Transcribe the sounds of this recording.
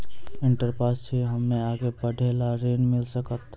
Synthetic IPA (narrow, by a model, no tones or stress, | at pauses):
ẽɳʈəɾpɾaːst͡ʃʰiɦɐmnẽaːɡepəɖʱeːlaɾeːnmɪlsəkət̪